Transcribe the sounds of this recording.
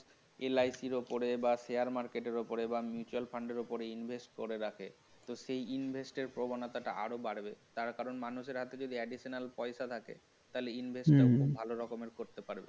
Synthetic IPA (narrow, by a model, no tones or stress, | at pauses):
elajsiɾopoɾebaseaɾmaɾkeʈeɾopoɾebamjut͡ɕualfʰaɳɖeɾopoɾeinbʱesʈ̚koɾeɾakʰe | t̪oʃejinbʱesʈeɾpɾobanat̪aʈa̰ʔa̰ɾobaɾbet̪aɾkaɾonmanuʃeɾɦat̪ed͡ʑod̪ʱiɛɖiʃonalpɔeʃat̪ʰakḛ | t̪aɦleinbʱesʈːakubʱaloɾɔkomeɾkoɾt̪epaɾbḛ